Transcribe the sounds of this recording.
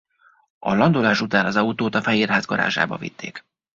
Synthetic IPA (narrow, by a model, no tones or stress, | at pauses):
ɒ̰lɒnd̪olaːʃut̪aːnɒzɒut̪oːt̪ɒfɛɦiːrɦaːzɡɒɾa̰ːʒa̰ːbɒ̰vḭt̪ːḛːk